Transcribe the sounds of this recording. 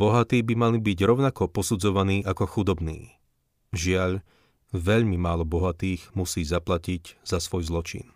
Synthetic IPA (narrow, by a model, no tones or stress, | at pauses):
b̥ɔɦat̪iːbimalibiɟɾɔʊnakɔpɔsud͡zɔʋaniːʔakɔxud̪ɔbnḭː | ʒɪaʎ | ʋɛʎmimaːlɔbɔɦat̪iːɣmusiːzaplaciɟz̥asʋɔjzlɔt͡ʃḭn